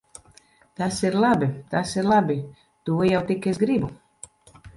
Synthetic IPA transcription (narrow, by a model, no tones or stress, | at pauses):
t̪asiɾlˠabit̪asiɾlˠabi | t̪uːjawt̪ikːes̬ɡɾibu